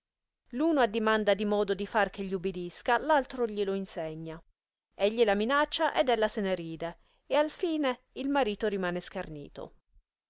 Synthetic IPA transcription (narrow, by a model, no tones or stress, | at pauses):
luːnoad̪ːimand̪ad̪imɔːd̪od̪ifark̟eʎːiubid̪iskalalt̪ɾoʎiloinseɲːa | eʎːilaminat͡ʃːaʔed̪ɛlːaseneɾiːd̪e | ealfiːne | ilmaɾiːt̪oɾimaːneskarnḭːt̪o̰